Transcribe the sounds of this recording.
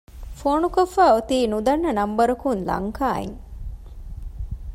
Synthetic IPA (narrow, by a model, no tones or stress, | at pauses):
foːnukofːaːot̪iːnud̪ɐnːɐnɐmbɐɾukunlɐ̰ŋkaːḛŋ